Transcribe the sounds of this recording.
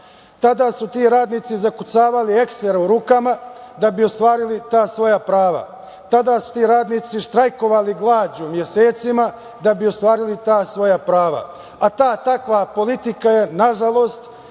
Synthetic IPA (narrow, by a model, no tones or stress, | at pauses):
t̪ad̪aːsut̪iːɾaːd̪niːt̪sizakusaːʋaliekseɾeuɾuːkamad̪abio̞st̪ʋaːɾilit̪aːsʋo̞japɾaːʋa̰ | t̪ad̪asu̥t̪iːɾaːd̪niːt̪siʃt̪ɾajko̞ʋaliɡlˠaːd͡ʑumje̞seːt̪sima | d̪abio̞st̪ʋaːɾilit̪aːsʋo̞japɾaːʋa̰ | at̪aːt̪akʋapo̞lit̪ikaje̞naʒalo̞st̪